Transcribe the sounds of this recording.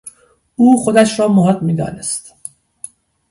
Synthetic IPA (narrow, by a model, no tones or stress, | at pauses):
uːxod̪æʃɾɒːmoɦɒt̪miːd̪ɒ̰ːnest̪